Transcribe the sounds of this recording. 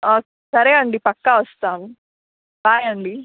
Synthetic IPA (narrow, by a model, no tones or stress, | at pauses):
oːkeːsɐɾeːɐɳɖipɐkːaʋɐst̪aːmu | baːjɐɳɖi